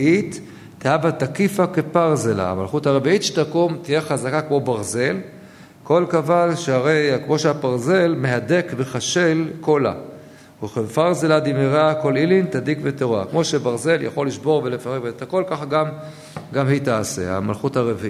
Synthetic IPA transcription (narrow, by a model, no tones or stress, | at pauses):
itː | eavatakifake̞paʁzela̰a̰malχuthaʁeviitʃe̥takomtijeχazakakmo̞baʁze̞l | ko̞lkavanʃeaʁe̞jkmo̞ʃeapaʁze̞lme̞ɦade̞kbeχaʃe̞lko̞la̰ | eχfaʁzelad̪imeʁako̞lilintadikveteʁa̰kmo̞ʃebaʁze̞ljʔa̰χo̞lːiʃbo̞ʁve̞le̞faʁekveet̪ako̞lkaχaɡam | ɡamhitase̞̰a̰malχuthaʁeviʔ